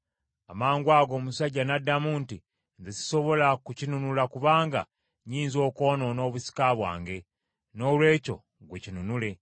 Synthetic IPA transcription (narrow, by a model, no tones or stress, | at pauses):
amaːŋɡwaːɡo̞ːmusaɟːanadːamuːnti | nzesi̥so̞βo̞lakucinunulakuβaːŋɡa̰ | ɲiːnzo̞ːko̞ːno̞no̞ːβusi̥kaβwa̰ːŋɡe̞ | no̞ːlwe̞ːco̞ | ɡwecinunule̞